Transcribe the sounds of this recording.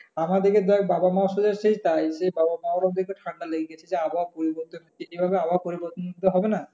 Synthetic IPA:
amad̪eked̪uɛk̚babamaoʃod͡ʑaɾʃejt̪ajʃebabamaoɾɔd̪ʱekeʈʰaɳɖaleɡiɡet͡ɕʰed͡ʑeabʱaopoɾiboɾt̪oniejbʱabeabaopoɾibɔɾt̪onmod̪ʱːeɦɔbena

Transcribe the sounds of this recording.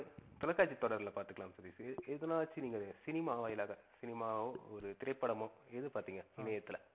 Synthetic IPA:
t̪ɔlɐkːaːt͡ʃːit̪ːɔɽɐɾlɐpaːɾt̪ɯkɐɭlaːmsɐɾisɛðɐnaːʋɐt͡ʃːɯniːŋɡɐsɪnɪmaːʋaːjɪlaːɣɐsɪnɪmaːoːɔɾɯt̪ɪɾɐɪpːɐɽɐmõɛðɯpaːɾt̪iːŋɡɐɪnɐjɐt̪ːɯlɐ

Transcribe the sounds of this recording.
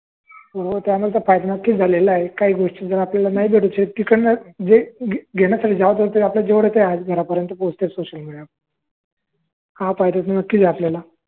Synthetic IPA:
bəɾobəɾt̪jamulet̪̬afajd̪anəkːiːd͡zʱalelaɦekaɦiːɡʱoʂʈid͡zəɾaːplalanaɦibeɽut͡ɕet̪ikəɳəd͡zeɡʱeɽ̃jasaʈʰiːd͡zaʋət̪ət̪əɾiapljad͡ʑeʋəɽet̪ead͡zɡʱəɾapəɾjənt̪əpost̪esoɕəlmiɽija | afajt̪at̪nənəkːiːd͡zaapljala

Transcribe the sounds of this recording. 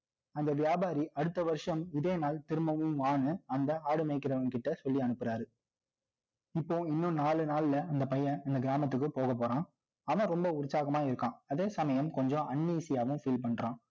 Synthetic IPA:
ɐnd̪ɐʋɪjaːbaːɾiʔɐɽɯt̪ːɐʋɐɾʂɐmɪðeːnaːlt̪ɪɾɯmɐʋɯmʋaːnɯɐnd̪ɐaːɽɯmɐɪkːɪɾɐʋɐnkɪʈːɐsɔlːiɐnɯpːɯɾaːɾɯ | ɪpːoːɪnːɯ̃naːɭɯnaːlɪlɐɐnd̪ɐpɐjɐ̃ɐnd̪ɐɡɪɾaːmɐt̪̬ːɯk̬ːɯpoːɣɐp̬ːoːɾãː | ɐʋɐ̃ɾɔmbɐʊɾɯsaːɣɐmaːɪɾɯkːãːɐðeːsɐmɐjɐmkɔɲd͡ʒõʔɐɳːiːsɪjaːʋɯ̃mfiːlpɐɳːɾãː

